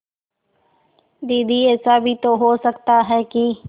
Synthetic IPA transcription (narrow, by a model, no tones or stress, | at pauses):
d̪iːd̪ʱiːɛːsaːbʱit̪oːɦoːsəkt̪aɦɛːkiː